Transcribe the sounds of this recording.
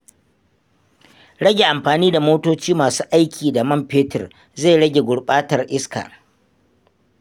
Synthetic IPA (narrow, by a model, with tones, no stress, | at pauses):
ɽɐ˦ɡʲe˨ʔa˨mɸaː˨niː˦da˨moː˦toː˦t͡ʃiː˦maː˨suː˦ʔa˦jkʲʰiː˨da˨mɐ˦mpeː˦tɪ̰˨r | za˦˨jɽɐ˦ɡʲe˨ɡʷʊ˨ɽɓaː˦tɐ˨rʔɪ˦ska̰ː˨